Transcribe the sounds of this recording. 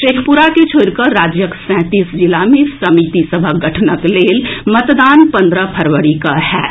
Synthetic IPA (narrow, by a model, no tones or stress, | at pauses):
ʃeːkʰpʊɾaket͡ʃʰoːɽkəːaːd͡ʒjəksɛ̃ːt̪iːsd͡ʒɪlamẽsɐmiːt̪isəbʱaɡɐʈʰnəkleːlmɐt̪d̪aːnpɐ̃nd̪ɾəpʰɐɾʋəɽikaɦɛ̰ː